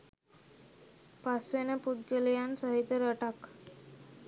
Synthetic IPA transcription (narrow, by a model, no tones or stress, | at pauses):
pasʋenapuʈ̪ɡəlijansəɦit̪ːɾəʈak